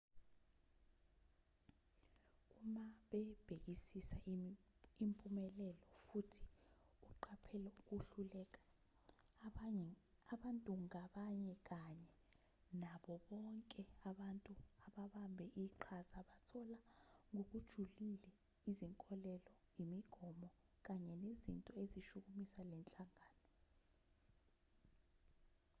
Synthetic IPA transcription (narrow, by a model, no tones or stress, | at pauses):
umaɓɛb̥ʱek̬isisa | impʼumɛlɛlɔfutʰi̥ | uǃʰapʰɛlɛuk̬uɬulɛk̬ḁ | aɓantʼuŋaɓaɲɛk̬aɲɛ | naɓɔɓɔŋkʼɛaɓantʼuaɓaɓambʱɛʔiǃʰazaɓatʰɔlaŋok̬ud̥ʒ̥ʱulilɛ | iziŋkʼɔlɛlɔ | imiɡ̥ʱɔmɔ | k̬aɲɛnezḭntʼɔeziʃuk̬umisalɛnt͡ɬʼaŋaːnɔ